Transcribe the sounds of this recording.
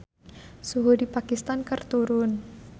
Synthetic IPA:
suɦodipakist̪ankərt̪uɾʊn

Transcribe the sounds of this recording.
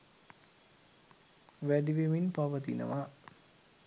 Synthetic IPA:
ʋæɖiʋeminpaʋət̪inə̰ʋa

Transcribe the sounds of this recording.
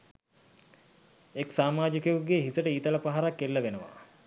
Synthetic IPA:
eksaːmaːd͡ʒikeuɡeɦisəʈəiːt̪ələpaɦaɾakːelːəʋenəʋa̰

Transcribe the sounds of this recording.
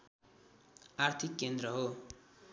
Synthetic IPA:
art̪ʰikːend̪ɾʌɦo

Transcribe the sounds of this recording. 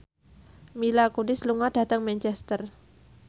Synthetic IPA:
milakunɪsluŋad̥a̤t̪əŋmɛnt͡ʃɛst̪ər

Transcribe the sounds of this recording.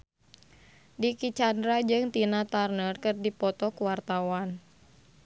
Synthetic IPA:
dikit͡ʃandɾad͡ʒɨŋt̪inat̪arnərkɨrdipɔt̪ɔkuwart̪awan

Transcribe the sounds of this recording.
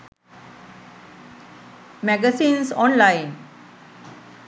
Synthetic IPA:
mɛɡəsĩːnsɔ̃ːnlaɪn

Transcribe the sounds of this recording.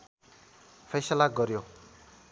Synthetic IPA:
pʰejsʌlaɡʌɾjo

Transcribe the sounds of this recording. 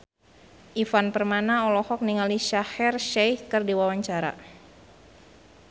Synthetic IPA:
ʔifanpərmanaɔlɔhɔk̚niŋaliʃahɛrʃajhkɨrdiwawaɲt͡ʃaɾa̰

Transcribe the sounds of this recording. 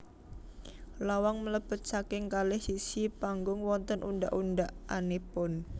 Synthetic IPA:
lawaŋmələb̥ə̤t̪̚sakɪŋkalɪhsisipaŋɡʊŋwɔnt̪ənʔṵndaʔundaʔanepʊn

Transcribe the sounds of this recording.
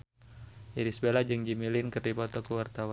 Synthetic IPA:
ʔiɾisbelad͡ʒɨŋd͡ʒimilinkərdibɔt̪ɔkəwart̪awa

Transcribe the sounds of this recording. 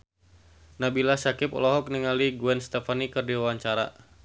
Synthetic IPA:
nabilasakɪpɔ̰lɔɦɔk̚niŋaliɡuɛnst̪ɛfanikərdiwawaɲt͡ʃaɾa̰

